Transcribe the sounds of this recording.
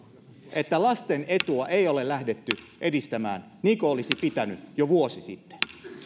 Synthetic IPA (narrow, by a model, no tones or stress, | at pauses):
ʔet̪ːælɑst̪enet̪uɑʔeiolelæhdet̪ːy | ʔedist̪æmæ̰ːn | niːkoolisipit̪ænyjoʋuosisit̪ːe̥n